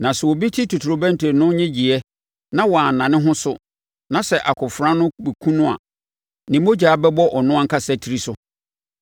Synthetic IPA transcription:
nã˨sɛ˨wɔ˨bi˦tʰi˦tʰu˨tʰu˨ɾo˨bæ̃˦ntʰe˨nʊ̃˦ɲɪ̃˦d͡ʑi˨ɛ˦ | nã˦wɔ˨a˨n̩˨nã˨nɪ̃˦ɦʊ̃˦sʊ˦ | nã˨sɛ˨ʔa˨kʰʊ˨fɾã˦nʊ̃˦bɛ˨kʰũ˦nʊ̃˦a̰˨ | nɪ̃˨mo˦d͡ʑaː˨˦bɛ˦bɔ˦ʔɔ˨nʊ̃˦a˦ŋ̩˦kʰa˦sɛ˦tʰi˨ɾi˦sʊ˦

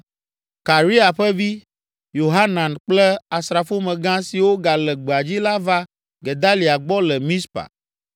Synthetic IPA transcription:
ka˨ɾi˦a˨ɸɛ˦vi˦ | jo˨ɦa˦nã˨nk͡plɛ˦a˨sɾa˨fo˦mɛ̃˨ɡã˦si˨wo˦ɡa˨lɛ˨ɡ͡bɛ˨a˨d͡ʑi˦la˦va˦ | ɡe˨d̪a˦li˨a˨ɡ͡bɔ˦lɛ˨mĩ˦spa̰˨

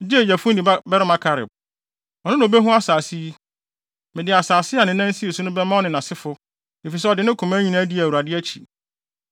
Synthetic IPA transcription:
d͡ʑi˦˨jæ˨fʊ̃˦ĩ˨˦bɛ˦ɾɪ˦mã˦kʰa˨ɾɪ̰˨b̚ | ɔ˨nʊ̃˦nã˨o˨be˦ɦʊ̃˦a˦saː˨si˦ | mɪ̃˨dɪ˨a˨saː˨sɪ˦a˨nɪ̃˨nã˦n̩˦si˦e˨su˦nʊ̃˦bɛ˦mã˦ɔ˦nɪ̃˨nã˨sɪ˦fʊ˦ | e˨fi˨s̬ɛ˦ɔ˨dɪ˨nɪ̃˦kʰũ˨mã˦ɲᶣĩ˦nã˦di˦æ˨wu˨a˨dɪ˦æ˦t͡ɕʰi˨

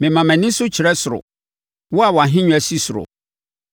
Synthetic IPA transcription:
mɪ̃˨mã˨mæ̃˨nɪ̃˦sʊ˦t͡ɕʰɪ˨ɾɛ˦sʊ˨ɾʊ̰˨ | wɔ˦a˨wɔ˨a˨ɦɪ̃˦ɲᶣʊ̃˦æ˨si˦sʊ˨ɾʊ̰˨

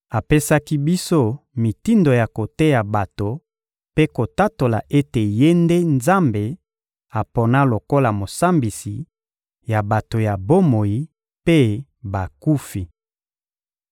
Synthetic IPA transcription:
a˨pe˦sa˦ki˦bi˦so˦mi˨ti˦ndo˨ja˨ko˨te˦ja˨ba˨to˨ | pe˦ko˨ta˦to˨la̰˨ʔe˦te˨je˦nde˦nza˦mbe˨ | a˨po˨na˦lo˨ko˦la˨mo˨sa˦mbi˨si˨ | ja˨ba˨to˨ja˨bo˦mo˨ji˦ | pe˦ | ba˨ku˦fi˨

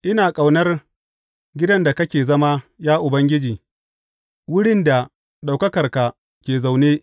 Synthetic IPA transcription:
ʔɪ˦naː˨kʼa˨wnɐ˦r | ɡʲɪ˦dɐ˦nda˨kɐ˦kʲeː˨zɐ˦ma˦jaː˦ʔʊ˨bɐ˦ŋɡʲɪ˦d͡ʒiː˨ | wʊ˦ɽɪ˦nda˨ | ɗa˨wkɐ˦kɐ˨rka˨ | kʲeː˨za˨wneː˦

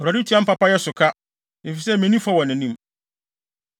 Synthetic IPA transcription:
ɔ˨ɾa˨i˦tʰi˦ã˦m̩˦pa˦pa˦jɛ˦sʊ˨kʰa˦ | e˨fi˨sɛ˦mɛ̃˨nĩ˦fa˦wɔ̃˨nɪ̃˨nĩ˦m

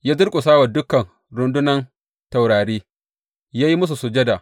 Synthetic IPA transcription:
jaː˦zʊ˦ɾkʷʼu˨saː˦wɐ˨dʊ˦kɐ˨n | ɽʊ˨ndʊ˦nɐ˦n | ta˨wɽaː˨ɽeː˦ | jaː˦ji˦mʊ˦s̬u˨sʊ˨d͡ʒɐ˦da˨

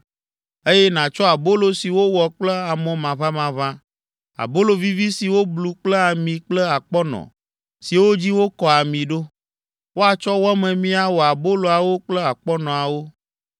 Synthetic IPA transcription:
e˦jɛ˦nã˨t͡ʃɔ˦a˨bo˦lo˨si˨wo˦wɔ˨k͡plə˦a˨mɔ̃˦mã˨va˦mã˨vã˦ | a̰˨bo˦lo˨vi˦vi˦si˨wo˦blu˨k͡plə˦a˨mĩ˨k͡plə˦a˨k͡pɔ˦nɔ̰̃˨ | si˨wo˦d͡ʑi˦wo˦kɔ˨a˨mĩ˨ɖo˦ | wo˦a˨t͡ʃɔ˦wɔ˦mɛ̃˨mĩ˦a˦wɔ˨a˨bo˦lo˨a˨wo˦k͡plə˦a˨k͡pɔ˦nɔ̃˨a˨wo˦

